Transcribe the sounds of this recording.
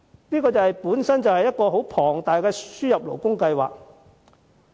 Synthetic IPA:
niː˥kɔː˧t͡sɐ˨˩hɐ˨jpuː˨˥nsɐ˥nt͡sɐ˨whɐ˨jːɐ˥t̚kɔː˧ɦo˨˥wpʰɔː˨˩ŋt̪aː˨jkɛː˧syː˥jɐ˨p̚lo̰˨˩wkʊ˥ŋkɐ˧jwa̰ː˨k̚

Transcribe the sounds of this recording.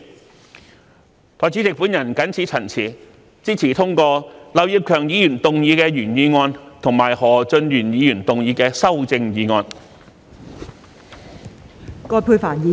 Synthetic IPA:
t̪ʰɔː˨˩jt͡siː˨˥t͡sɪ˨k̚pu˨˥njɐ˨˩nkɐ˨˥nt͡sʰiː˨˥t͡sʰɐ˨˩nt͡sʰiː˨˩ | t͡siː˥t͡sʰiː˨˩t̪ʰʊ˥ŋkɔː˧lɐ˨˧wjiː˨˧p̚kʰœː˨˩ŋjiː˨˥jyː˨˩nt̪ʊ˨ŋjiː˨˧kɛː˧jyː˨˩njiː˨˧ŋɔː˧nt̪ʰʊ˨˩ŋmaː˨˩jhɔː˨˩t͡sɵ˧njyː˨˩njiː˨˧jyː˨˩nt̪ʊ˨ŋjiː˨˧kɛː˧sɐ˥wt͡sɪ˧ŋjiː˨˧ŋɔː˧n | kɔː˧jpʰuː˧faː˨˩njiː˨

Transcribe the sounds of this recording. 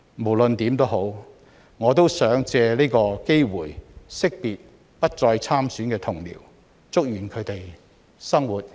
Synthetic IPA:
mo˨˩wlɵ˨˧nt̪iː˨˥mt̪o˥wɦo˨˥w | ŋɔː˨˧t̪o˥wsœː˨˥ŋt͡sɛː˧liː˥jkɔː˧ke˥jwuː˨˩jsɪ˥k̚piː˨t̚ | pɐ˥t̚t͡sɔː˧jt͡sʰaː˥msyː˨˥nkɛː˧t̪ʰʊ˨˩ŋlḭː˨˩w | t͡sʊ˥k̚jyː˨˩nkʰɵ˨˧ɥt̪e˨j | sɐ˥ŋwuː˨˩t̚

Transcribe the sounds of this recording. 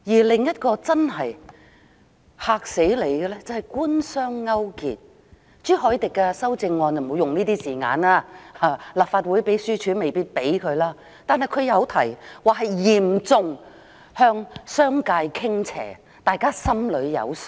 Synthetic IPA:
jiː˨˩lɪ˨ŋjɐ˥t̚kɔː˧t͡sɐ˥nɦɐ˨j | haː˨k̚se˨˥jle˨˧jɡɛ˧lɛː˥t͡sɐ˨whɐ˨˩jkuː˥nsœː˥ŋːɐ˥wkḭː˨t̚ | t͡syː˥ɦɔː˨˥jt̪ɪ˨kːɛ˧sɐ˥wt͡sɪ˧ŋːɔː˨˧njɐ˨˩mo˨˧wjʊ˨ŋniː˥t̪iː˥siː˨˩ŋa̰ː˨˧naː˥aː˨˧laː˨p̚faː˧t̚wuː˨˥jpe˨˥jsyː˥t͡ʃʰyː˨˥me˨jpiː˥t̚pe˨˥jkʰɵ˨˧ɥlaː˥ | t̪aː˨nɦɐ˨jkʰɵ˨˧ɥjɐ˨˧wt̪ʰɐ˨˩jwaː˨˩ɦɐ˨jjiː˨˩mt͡sʊ˨ŋ | hœː˧ŋsœː˥ŋkaː˧jkʰɪ˥ŋt͡sʰɛ̰ː˨˩ | t̪aː˨jkaː˥sɐ˥mlɵ˨˧ɥjɐ̰˨˧w

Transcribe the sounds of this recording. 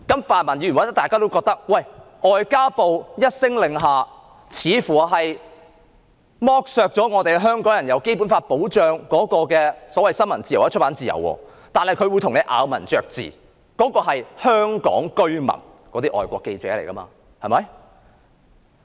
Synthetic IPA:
kɐ˨˥mfaː˨nmɐ˨˩njyː˧˨˥wt̪ɐ˥t̪aː˨kaː˥t̪o˥wkɔː˧k̚t̪ɐ˥k̚wɐ˥˨˩jʔɔː˨jkaː˥po˨˧wjɐ˥t̚sɪ˥ŋlɪ˨ŋɦaː˨˧ | t͡sʰiː˨˧fuː˨˩˧ɦɐ˨j | mɔː˥k̚sœː˨˧k̚t͡sɔː˨˥ŋɔː˨˧t̪e˨jɦœː˥ŋkɔː˨˥ŋjɐ˨˩jɐ˨˧wke˥jpuː˨˥nfaː˧t̚po˨˥wt͡ʃœː˨ŋkɔː˨˥kɔː˧kɛː˧sɔː˨˥wɐ˨jsɐ˥nmɐ˨˩nt͡si˨jwɐ˥t͡ʃ̚ʰpaː˨˥nt͡siː˨jɐ̰˨˩wɔ̰ː˧ | t̪aː˨nhɐ˨jkʰɵ˧ɥwu˨˧jt̪ʰʊ˨˩ŋne˨˧jʔa̰ː˨˧wmɐ˨˩nt͡ʃœː˧k̚t͡sḭː˨˩ | kɔː˨˥kɔː˧ɦɐ˨jhœː˥ŋkɔ̰ː˨˥ŋkɵ˥ɥmɐ̰˨˩n | kɔː˨˥t̪iː˥ʔɔ̰ː˨jkʷɔ̰ː˧kːe˧jt͡sɛː˨˥le˨˩kɐ˥ma̰ː˧ | hɐ˨mɐ˨˦j

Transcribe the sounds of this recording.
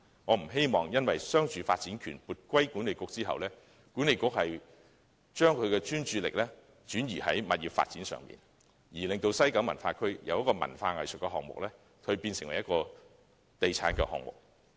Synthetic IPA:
ŋɔː˨˧m̩˨˩ɦe˥jmɔː˨ŋjɐ˥nwɐ˨jsœː˥ŋt͡ʃyː˧faː˧t̚t͡siː˨˥nkʰyː˨˩npuː˨˧t̚kʷwɐ˥jkuː˨˥ne˨jkʊ˧˥k̚t͡siː˥ɦɐ̰˨wlɛː˥ | kuː˨˥ne˨jkʊ˥k̚hɐ˨j | t͡ʃœː˥ŋkʰɵ˨˧ɥkɛː˧t͡ʃyː˥nt͡ʃyː˨˧lɪ̰˨k̚lɛː˥ | t͡ʃyː˨˥njiː˨˩hɐ˨˥jmɐ̰˨t̚jiː˨˩fa̰ː˧t̚t͡siː˨˥nsœ̰˨ŋmḭː˨˩n | jiː˨˩lɪ˨ŋt̪o˧wsɐ˥jkɐ˨˥wmɐ̰˨˩nfaː˧kʰɵ˥ɥjʔɐ˨˧wjɐ˥tkɔː˧mɐ̰˨˩nfaː˧ŋɐ̰˨jsɵ˨kɛ˧ɦɔː˨ŋ̚mʊ̰˨k̚lɛ˥ | kʰɵ˧ɥpiː˧nsɪ˨ŋwɐ˨˩jɐ˥t̚kɔː˧ | t̪e˨jt͡sʰaː˨˥nkɛ̰˧hɔ̰ː˨ŋ̚mʊ̰˨k̚

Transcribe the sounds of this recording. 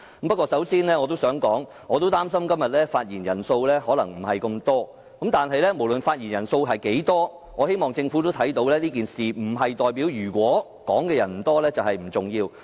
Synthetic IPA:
mpɐ˥t̚kʷːɔː˧sɐ˨˥wsiː˥nlɛː˥ŋɔː˨˧t̪̬o˥wsœː˨˥ŋkɔː˨˥ŋ | ŋɔː˨˧t̪o˥wt̪aː˥msɐ˥mkɐ˥mjɐ˨t̚lɛː˥faː˧t̚jiː˨˩njɐ˨˩nso˧wlɛː˥hɔː˨˥lɐ˨˩ŋm̩˨˩ɦɐ˨jkɐ˧mt̪ɔː˥ | kɐ˨˥mt̪aː˨nɦɐ˨jlɛː˥mo˨˩wlɵ˨nfaː˧t̚jiː˨˩njɐ˨˩nso˧wɦɐ˨jke˨˥jt̪ɔː˥ | ŋɔː˨˧he˥jmɔː˨ŋt͡sɪ˧ŋfu˨˥t̪o˥wt̪ʰɐ˨˥jt̪o˨˧wlɛː˥liː˥k̬iː˨nsiː˨m̩˨˩ɦɐ˨jt̪ɔː˨jpiː˨˥wjyː˨˩kʷɔː˨˥ | kɔː˨˥ŋkɛː˧jɐ˨˩nm̩˨˩t̪ɔː˥lɛː˥t͡sɐ˨whɐ˨jm̩˨˩t͡sʊ˨ŋjiː˧w

